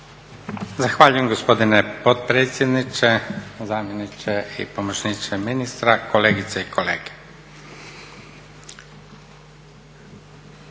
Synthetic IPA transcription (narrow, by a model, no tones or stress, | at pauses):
zaxʋaːʎuje̞mɡospo̞d̪inepot̪pɾeːt̪sʲjed̪nit͡ʃezaːmjenit͡ʃeḭpomot͡ʃnit͡ʃeminist̪ɾako̞leːɡit̪seikʰolḛːɡ̥e̥